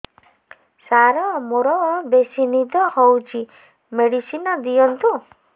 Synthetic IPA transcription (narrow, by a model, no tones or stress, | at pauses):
saɾɔmoɾɔbesinid̪ɔhɔwt͡ʃʰi | meɽisinɔd̪ijɔnt̪u